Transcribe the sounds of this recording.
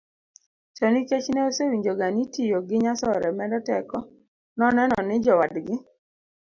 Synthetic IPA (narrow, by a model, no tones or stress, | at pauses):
t͡ʃɔniket͡ʃnɛosewiɲd͡ʒoɡanitijoɡɪɲasɔɾɛmɛdɔtɛkɔ | nɔnɛnɔnɪd͡ʒɔwadɡɪ